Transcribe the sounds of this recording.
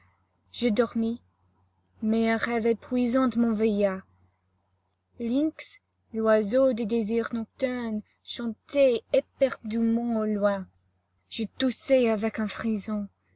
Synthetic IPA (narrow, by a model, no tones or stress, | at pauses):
ʒ̥əd̪ɔʁmi | mɛɛ̃ʁɛvɛpχɥizɑ̃d̪əmɔ̃veja | lĩks | lwazod̪ed̪eziʁnɔk̚t̪œn | ʃɑ̃t̪eepɛʁd̪ymɑ̃olwɛ̃ | ʒ̥ət̪useavɛkɛ̃fχizɔ̃